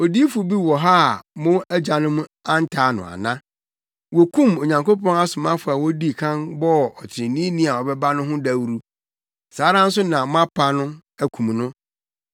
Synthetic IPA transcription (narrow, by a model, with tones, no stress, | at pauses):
o˨di˦fʊ˨bi˦wɔ˨ɦa˦˨mʊ̃˦æ˦d͡ʑa˨nʊ̃˦m˦a˦n̩˦tʰaː˨˦nʊ̰̃˨a̰˨nã˦ | wɔ˨kʰũ˦˨mo˨ɲã˨ŋko˦pɔ̃˦na˦sʊ˨mã˦fʊ˨a˨wɔ˦di˦˨kʰã˦nbɔ˦ɔ˨tʰɪ˨ɾɪ̃˨nĩ˦nĩ˦a˨ɔ˨bɛ˦ba˦nʊ̃˦ɦʊ̃˦da˨wɾu˦ | saː˨˦ɾã˦n̩˦s̬ʊ˦nã˨m˦ã˦pʰa˨nʊ̃˦ | æ˨kʰũ˨m˨nʊ̃˦